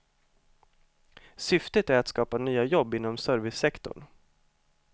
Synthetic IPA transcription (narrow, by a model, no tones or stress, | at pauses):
sʏft̪ət̪æɾat̪skɑːpanyːajɔbːɪnːɔmsœːɾvɪsːɛkt̪ɔ̰ɳ